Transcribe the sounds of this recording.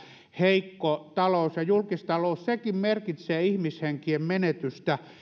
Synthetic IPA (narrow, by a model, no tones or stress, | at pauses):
heikːot̪ɑlousjɑjulkist̪ɑloˑussekimmerkit̪seːihmisheŋkiemmenet̪yst̪æ